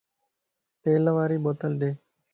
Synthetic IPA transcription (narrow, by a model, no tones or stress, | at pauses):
t̪eːləʋaːɾiːɓoːt̪əlɗeː